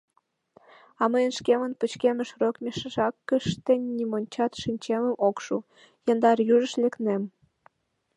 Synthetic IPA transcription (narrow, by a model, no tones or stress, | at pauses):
ɑməjənʃkemənput͡ɕkeməʃrokmʲeʃəʒɑkːəʃt̪enʲːimonʲt͡ɕɑt̪ʃinʲt͡ɕeməmokʃu | jənd̪ɑrjuʒəʃleknem